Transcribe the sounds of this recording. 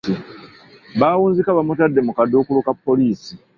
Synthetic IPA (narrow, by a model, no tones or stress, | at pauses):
i | baːwuːnzikaβamutadːe̞mukado̞ːkulukapːo̞liːsi